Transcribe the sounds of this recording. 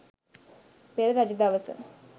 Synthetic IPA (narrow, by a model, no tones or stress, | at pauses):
peɾɐɾɐd͡ʒɐd̪aːʋɐsɐ̰m